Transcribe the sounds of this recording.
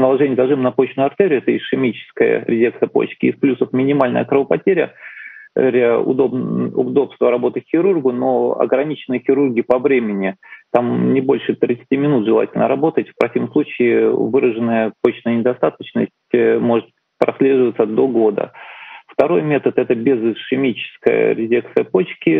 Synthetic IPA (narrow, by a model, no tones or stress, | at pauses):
nəlˠɐʐɛnʲɪjəzɐʐɨmnɐpo̞t͡ɕnʊʊɐrt̪eɾʲɪʊɛt̪əɪʂɪmʲit͡ɕɪ̥skəjə̰ɾʲɪzʲekt̪əpo̰t͡ɕkʲɪːsplʲusəfmʲɪnʲɪmalʲnə̰jəkɾəvəpɐtʲeɾʲə̰ | ɾʲaʊ̰d̪obʊ̰d̪o̞pst̪vəɾɐbo̞t̪əxʲɪɾurɡʊno̰ɐ̰ɡɾɐnʲit͡ɕɪnɨjəxʲɪɾurɡʲɪpɐvɾʲemʲɪnʲɪt̪amnʲɪbo̞lʲʂɨt̪ɾʲɪt̪sɨ̥tʲimʲɪnut̪ʐɨlˠa̰tʲɪlʲnə̰ɾɐbo̞t̪ətʲfpɾɐsʲivəmsˠut͡ɕɪːvɨɾəʐɨnəjəpo̞t͡ɕnəjənʲɪd̪ɐst̪at̪ət͡ɕnəsʲtʲmo̞ʐɨt̪ | pɾɐsʲlʲe̞ʐɨvət̪səd̪o̞ɡo̞d̪ə̰ft̪ɐɾo̞jmʲet̪ət̪ɛt̪əbʲɪzʂɪmʲit͡ɕɪ̥skə̰jə̰ɾʲɪzʲek̚t̪sɨjəpo̞t͡ɕkʲɪ